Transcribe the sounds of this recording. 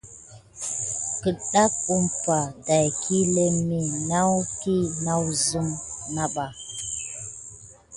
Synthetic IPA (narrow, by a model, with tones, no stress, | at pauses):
kə˨ɗa˦k̚u˦mpa˨da˨jkʰi˦le˦mi˨na˦wki˦na˦wzɨ˦mna˦ɓa˨